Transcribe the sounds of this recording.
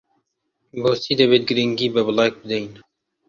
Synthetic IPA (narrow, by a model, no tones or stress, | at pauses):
boːsiːd̪ɐbeːt̪̚ɡəɾiŋɡiːbəblɑːk̚bəd̪ɐin